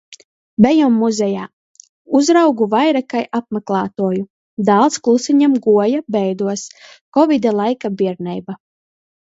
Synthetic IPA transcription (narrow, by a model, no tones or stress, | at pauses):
bɛjɔmːuzɛjaː | uzɾawɡuvajɾakajʔap̚mɛklˠaːt̪uɔju | d̪alˠt̪sklˠusiɲɛmɡuɔjabɛjd̪uɔs | kɔvid̪alˠajkabiɛɾnɛjba